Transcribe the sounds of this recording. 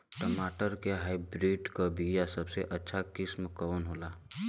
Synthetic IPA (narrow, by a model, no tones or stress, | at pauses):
ʈəmaːʈəɾkeɦaːɪbɾiːɖkabʱijasəbseʔətːʃʰakɪsmkəwənɦola